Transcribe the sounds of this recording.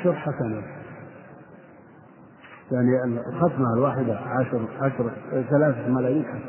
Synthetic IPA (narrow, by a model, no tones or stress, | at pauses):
ʃɑɾˤħasana | jaʕniɪllxat̪malwaːħɪd̪aʕaʃɾˤʕaʃɾˤθalaːθamalaːjiːnħas